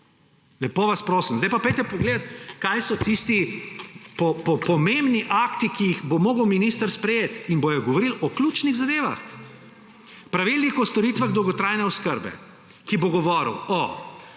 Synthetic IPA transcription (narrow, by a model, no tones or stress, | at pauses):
lɛpoːʋaspɾoːsəmzd̪ajpapɛjt̪ɛpɔɡleːd̪at̪kajsɔt̪ist̪i | pɔpɔpɔmẽmbniʔakt̪ikijixbomoːɡəwminist̪əɾspɾɛjeːt̪inbojɛɡɔʋɔɾilɔklʲut͡ʃniɣzad̪eːʋa̰x | pɾaʋilnixɔst̪ɔɾiːt̪ʋaɣd̪ɔwɡɔt̪ɾajnɛɔskəɾbɛ̰ | kiboɡɔʋɔːɾ̰wɔ